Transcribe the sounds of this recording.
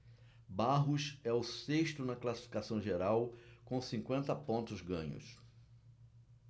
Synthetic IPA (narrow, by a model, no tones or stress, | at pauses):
baɦʊʃɛʊseʃt̪ʊnɐklasi̥fi̥kasɐ̃w̃ʒeɾawkõsĩŋkwẽnt̪ɐpõnt̪ʊzɡɐ̰̃ɲʊ̰s